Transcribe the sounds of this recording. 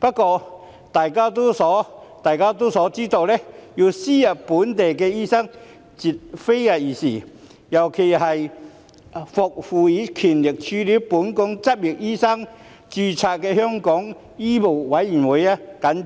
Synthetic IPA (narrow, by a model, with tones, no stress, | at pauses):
pɐ˥t̚kɔː˧ | t̪aː˨jkaː˥t̪̬o˥sɔ˨˦˥t̪aː˨jkaː˥t̪o˥sɔː˨˥t͡siː˥t̪o˨˧wlɛ˦˥ji˧siː˥jɐ˨˩puː˨˥nt̪e˨jkɛ˧iː˥sɐ˥ŋ | t͡si˨˩t̚fe˥ja˧jiː˨˩si˨˩ | jɐ˨˩wkʰe˨˩jhɐ˨j | fʊ˨k̚fu˨iː˨˥kʰi˨˩nlɪ˨˩k̚t͡ɕʰy˧li˨˥wpu˨˥nkʊ˨˥ŋt͡sɐ˥p̚ji˨˩k̚iː˥sɐ˥ŋ | t͡ɕyː˧t͡sʰaː˧t̚kɛ˧hœ˥ŋkɔ˨˥ŋ | i˥mo˨˩wwɐ˨˥ji˨˩nwu˨˦ja˧kɐ˨˥n